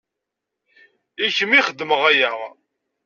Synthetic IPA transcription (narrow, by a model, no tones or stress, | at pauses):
içəmiχəd̪ːəməʁæjæʁ